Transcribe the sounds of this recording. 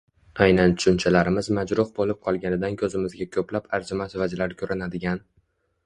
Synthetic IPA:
ajnant̪ʰʊ̥ʃʊnt͡ʃʰalaɾɪmɪzmad͡ʒɾʊhbolɪp̚qʰɒlˠɡʲanɪd̪ankʲʰɵzɪmɪzɡʲakʲʰɵplapaɾd͡ʒʊmasvad͡ʒlaɾɪkʲʰɵɾʔɪnad̪ɪɡʲan

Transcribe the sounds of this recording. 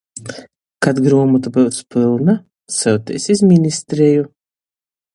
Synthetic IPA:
kat̪ɡɾuɔmut̪ubɨwspɨlˠna | sɛwt̪ɛ̰sizʲmʲinist̪ɾeju

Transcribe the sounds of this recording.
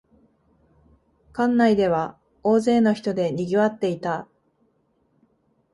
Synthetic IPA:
kãnːaid̪e̞β̞a | o̞ːze̞ːno̞çi̥t̪o̞d̪e̞ɲ̟ʲiɡʲiβat̪ːe̞it̪a

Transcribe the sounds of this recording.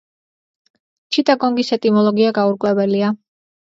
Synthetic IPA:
t͡ʃʰit̪ʼaɡɔŋɡisɛt̪ʼimɔlˠɔɡiaɡauɾkʼwɛbɛlia

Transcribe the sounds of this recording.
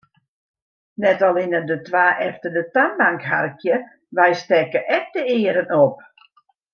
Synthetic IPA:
nɛtalˠɪnədətwaːʔɛftədətanbaŋkɦa̰rkʰjə | ʋɛjstɛkəʔɛk̚dəɪəɾənop̚

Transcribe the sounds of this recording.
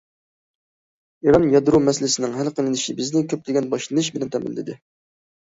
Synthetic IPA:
iɾɑnjɑd̪ɨɾumɛsɪlɪsɪnɪŋɦælqəlɪnɪʃibɪznɪkʲʰøplɪɡʲɛnbɑʃlˠɨnɨʃ̬bɪlɛnt̪ʰɛmɪ̰lːɪ̰d̪ɪ

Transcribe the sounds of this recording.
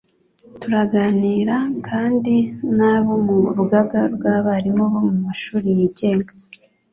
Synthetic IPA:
tuɾaɡaniːɾakʰaːndinaːβomuɾuɡaɡaɾɡaːβaːɾimoβomumaʃuːɾijiɟeŋɡa

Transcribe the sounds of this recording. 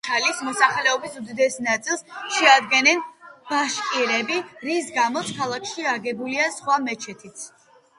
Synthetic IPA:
t̪ʰalismɔsaχlɛɔbisud̪id̪ɛsnat̪sʼilˠsʃɛad̪ɡɛnɛnb̥aʃkʼiɾɛbiɾisɡamɔt̪sʰkʰalˠakʰʃiaɡɛbuliasχwamɛt͡ʃʰɛt̪ʰit̪ʰ

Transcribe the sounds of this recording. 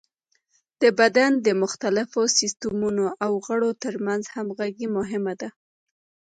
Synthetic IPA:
d̪̥əbad̪and̪əmʊxt̪alɪfosɪst̪ʊmunoʔawɣəɽot̪əɾmanzhamɣaɡimʊɦɪmad̪a

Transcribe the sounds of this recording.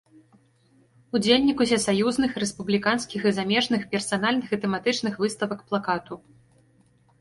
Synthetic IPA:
ud͡zʲelʲnʲikusʲɛsajuznɨxɾɛspublʲikanskʲixizamʲɛʐnɨxpʲɛrsan̪alʲnɨxɨt̪ɛmat̪ɨt͡ʂnɨxvɨst̪ɐvɐkplˠakat̪u

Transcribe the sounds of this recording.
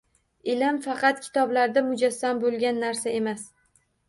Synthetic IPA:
ɪlɪmfɑqʰɑt̪kʲʰɪ̥t̪ʰɒblaɾd̪amʊd͡ʒasːambolˠɡʲanːaɾsae̞mas

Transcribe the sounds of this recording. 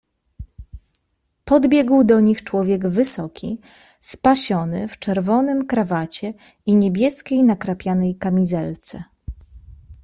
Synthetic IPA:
pɔd̪bʲjɛɡwd̪ɔɲixt͡ʂwɔvʲjɛɡvɘsɔkʲḭ | spaɕɔnɘ̰ft͡ʂɛɾvɔnɘmkɾavat͡ɕɛ | iɲebʲjɛskʲejnakɾapʲjanɛjkamʲizɛlt̪sɛ

